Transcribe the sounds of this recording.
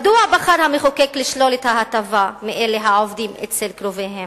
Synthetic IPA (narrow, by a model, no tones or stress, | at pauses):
d̪uabaχaɾhameχokekliʃlo̞let̪hahat̪avameʔeleɦaovd̪imet͡selkɾo̞veɦem